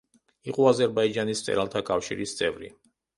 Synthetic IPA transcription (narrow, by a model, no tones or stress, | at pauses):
iqʼɔazɛɾbaid͡ʒanissʼɛ̰ɾalˠt̪ʰakʼafʃḭɾist̪sʼɛvɾḭ